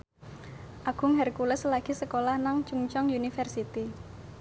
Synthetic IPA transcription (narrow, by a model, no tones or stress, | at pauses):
ʔaɡ̥ʊ̤ŋɦɛrkulɛslaɡ̥i̤səkolahnaŋt͡ʃuŋt͡ʃɔŋjunifɛrsit̪i